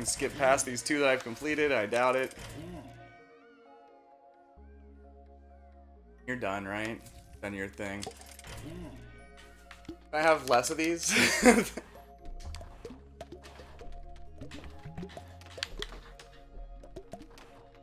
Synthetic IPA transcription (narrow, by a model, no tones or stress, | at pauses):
nskɪp̚pʰæsðiz̥tʰʉðɨɾaɪv̥kʰɨ̃mpʰl̥iɾɪɾaɪdaʊɾɪt̚jæ | jə˞dʌ̃nɹaɪt̚d̥ʌ̃njə˞θɪ̃ŋjæ | aɪəvlɛsʌvðiz̥